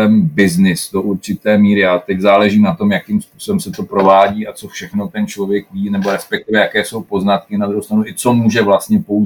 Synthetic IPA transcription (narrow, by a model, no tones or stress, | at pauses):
ɛmbɪznɪsdo̞ʔuɾt͡ʃɪt̪ɛːmiːɾɪjaːt̪ɛczaːlɛʒiːmnat̪o̞mjakiːmspuːsobɛmsɛt̪o̞pɾo̞vaːɟiːat͡so̞fʃɛxno̞t̪ɛnt͡ʃlo̞vjɛkviːnɛbo̞ɾɛspɛk̚t̪ɪvɛjakɛːso̞wpo̞znat̪kɪnad̪ɾuɦowst̪ɾanuʔɪt͡so̞muːʒɛvlast̪ɲɛpou